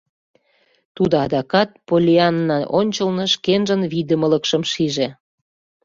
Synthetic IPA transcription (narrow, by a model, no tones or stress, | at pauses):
t̪ud̪ɤɑd̪ɑkɑt̪̚polʲiɑnːɑʔonʲt͡ɕəlnɤ̆ʃkenʒənβid̪əmə̆ləkʃə̆mʃiʒe